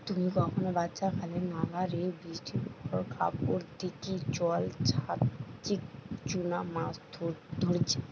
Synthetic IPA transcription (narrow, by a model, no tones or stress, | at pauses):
t̪umikɔkʰonobatːʃakʰalenalaɾebisʈipukʰɔɾkʰa̰poɾd̪ikit͡ɕɔlt͡ɕʰat̪ikt͡ʃunamasd̪ʱod̪ʱoɾt͡ɕʰe̥